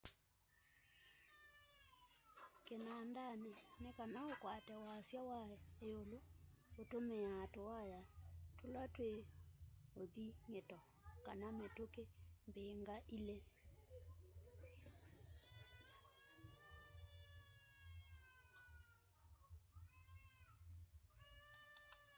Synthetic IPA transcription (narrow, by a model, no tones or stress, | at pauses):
kenandanenekanaokwatɛwasjawaeolootomeatowajatolatwe | oðiŋetɔ | kanametokembeŋɡaʔile